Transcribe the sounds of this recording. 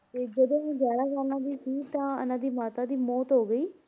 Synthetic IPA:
t̪eːd͡ʒəd̪õːɦũːd͡ʒjaːɽaːkaːlnãːd̪iːsiːt̪ãːə̰nãːd̪iːmaːt̪aːd̪iːmɔːt̪ɦoːɡəiː

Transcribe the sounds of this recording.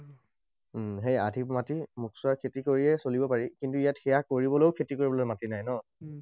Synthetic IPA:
ɦeja̰dʱipmatimuksʊakʰetikoɹiɛsolibɔpaɹikintuijatxɛjakoɹibɔlojʊkʰetikoɹibɔlojmatinajnɔ

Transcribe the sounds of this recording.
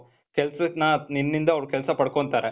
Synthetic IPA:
kɛlsɐnaninːind̪ɐːʋɾkɛlsɐpɐɽkoɳt̪aːɾe

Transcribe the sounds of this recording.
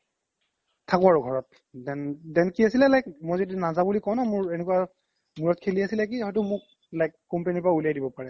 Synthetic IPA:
tʰakɔaɹuɡʱɔɹɔt̚ | dɛndɛnkiasilɛlajk̚mɔjzodinazabulikɔw̃namʊɹenɛkwa | muɹɔt̚kʰeliasilɛk̬iɦɔjtʊmʊk̚ | lajkːɔmpenipɹaulijajdibɔpaɹɛ

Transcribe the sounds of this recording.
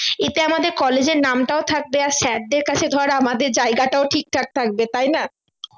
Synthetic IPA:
et̪eamad̪eɾkɔled͡ʑeɾnamʈaot̪ʰak̚beaɾʃɛɖ̚ɖ̪eɾkat͡ɕʰed̪ʱɔɾamad̪eɾd͡ʑajɡaʈaoʈʰik̚t̪ʰak̚t̪ʰak̚bet̪ajna

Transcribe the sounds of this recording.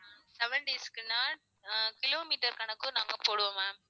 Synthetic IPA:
sɛʋɐɳɖeːskɪnːaː | kɪloːmiːʈɐɾkɐnɐkːɯnaːŋɡɐpoːɽɯʋõmaːm

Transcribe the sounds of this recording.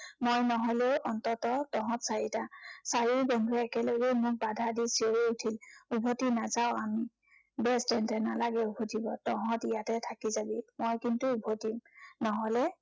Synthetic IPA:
mojnɔɦɔlɛʔɔntɔtɔtɔɦɔ̃tsaɹitasaɹibɔndʱuɹɛːkɛlɔɡɛmʊk̚badʱadisioɹiutʰilubʱotinazaʊ̃ami | bɛstɛntɛnalaɡɛubʱotibɔtɔɦɔ̃tijatɛtʰakizabimojkintuːbʱotimnɔɦɔlɛ

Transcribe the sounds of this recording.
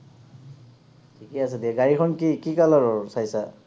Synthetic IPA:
tʰikias̬ediaɡaɹikʰɔnkikikalaɹɔsajsa

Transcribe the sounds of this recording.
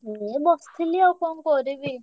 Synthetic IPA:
ebɔst̪ʰiliɔkɔŋkɔɾibi

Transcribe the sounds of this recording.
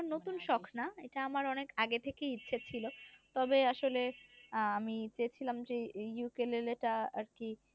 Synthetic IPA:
not̪unʃɔkʰnaeʈaamaɾɔnekaɡet̪ʰekeitːɕʰet͡ɕʰilot̪ɔbeaʃoleamit͡ɕejet͡ɕʰilamd͡ʑejukeleleʈaa̰ɾki

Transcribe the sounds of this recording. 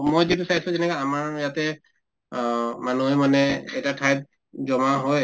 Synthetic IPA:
mojzitusaisʊ̃zɛnɛkaamaɹjatɛ | manuɦɔjmanɛɛjtatʰajt̚ | zɔmaɦɔj

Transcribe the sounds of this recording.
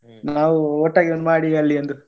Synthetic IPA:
naːʋuɔʈːaːɡionːmaːɽiɐlːiɐnd̪u

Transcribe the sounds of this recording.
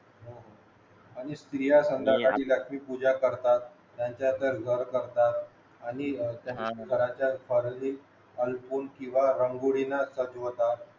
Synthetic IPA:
ɦoɦo | aɽ̃ist̪ɾijasənd̪ʱakaʈiːləkʂmiːpud͡ʑakəɾt̪at̪ː | jaɲt͡ɕjad̪əɾɡʱəɾkəɾt̪at̪ | aɽ̃it̪jãkəɾãt͡ɕjafʰəɾni | əlpuːnkĩw̃ʋaɾəŋɡuɽinasəd͡ʑot̪a

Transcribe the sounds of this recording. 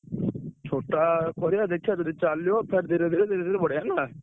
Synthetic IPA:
t͡ʃʰoːʈaːkɔɾeaːd̪eːkʰːjaːt̪ʊd̪iːt͡ʃaːlːjoːpʰeɾd̪eːɾed̪eːɾed̪eːɾeːd̪eːt̪ebəɽeːɛːnaː

